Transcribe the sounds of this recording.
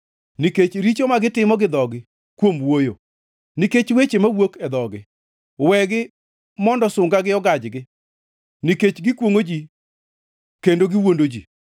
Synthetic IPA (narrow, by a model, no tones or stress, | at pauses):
niket͡ʃɾit͡ʃomaɡɪtɪmɔɡɪd̪ɔɡɪ | kwomwojo | niket͡ʃwet͡ʃemawokɛd̪ɔɡɪ | wɛɡɪ | mɔndɔsʊŋɡaɡɪɔɡad͡ʒɡɪ | niket͡ʃɡɪkwoŋod͡ʒi | kendoɡɪwondod͡ʒi